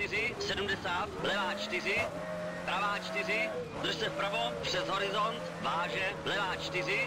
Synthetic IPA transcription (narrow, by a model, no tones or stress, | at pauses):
t̪ɪrɪsɛdumdɛsaːt̪blɛvaːt͡ʃt̪ɪr̝ɪ | pɾavaːt͡ʃt̪ɪr̝ɪ | d̪r̩ʃsɛfpr̩vopr̥ɛzɦoɾɪzont̪vaːʒɛblɛvaːt͡ʃt̪ɪrɪ